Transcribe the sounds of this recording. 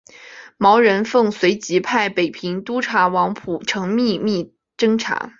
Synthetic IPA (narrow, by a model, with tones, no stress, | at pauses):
mɑ˧˥ʊɻə˧˥nfɤ˥˩ŋswe˧˥ɪt͡ɕi˧˥pʰa˥˩ɪpe˨˩ɪpʰi˧˥ŋt̪u˥ʈ͡ʂʰa˧˥wɑ˧˥ŋpʰu˨˩ʈ͡ʂʰɤ˧˥ŋmi˥˧mi˥˩ | ʈ͡ʂɤ˥ŋʈ͡ʂʰa̰˧˥